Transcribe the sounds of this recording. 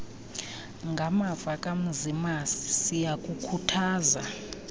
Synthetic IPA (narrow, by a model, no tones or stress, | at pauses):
ŋɡʱamavakʼam̩zimasi̥sijakʼukʰutʰaːza